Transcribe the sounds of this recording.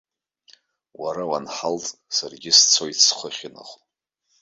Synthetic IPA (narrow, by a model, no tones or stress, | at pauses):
waɾawanħaltʼsarɡʲɪst͡sʰo̞jtʰsχʰəχʲina̰χʷʼ